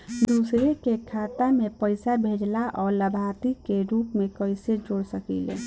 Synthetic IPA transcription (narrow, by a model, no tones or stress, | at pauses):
d̪usɾekekʰat̪amepəɪsabʱed͡ʒlaʔɔːɾləbʱat̪ikeɾupmekəɪsed͡ʒoɽsəkḭlḛ